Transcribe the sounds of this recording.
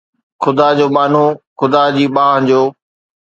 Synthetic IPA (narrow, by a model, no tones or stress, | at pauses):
xʊd̪aːd͡ʑoːɓaːn̤oːxʊd̪aːd͡ʑiːɓãːd͡ʑoː